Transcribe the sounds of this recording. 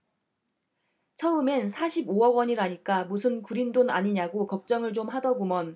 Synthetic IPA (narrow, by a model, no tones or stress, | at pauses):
t͡ɕʰʌɯmensʰaɕʰiboʌɡwʌɲiɾaɲik͈amusʰɯnkuɾindona̰ɲiɲaɡokʌp̚t͡ɕ͈ʌŋɯɭt͡ɕomɦadʌɡumʌn